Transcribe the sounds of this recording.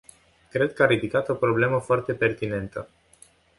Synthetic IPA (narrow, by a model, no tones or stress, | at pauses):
kɾe̞d̪̚kəaɾid̪ikat̪o̞pɾo̞ble̞məfoart̪e̞pe̞rt̪ine̞nt̪ə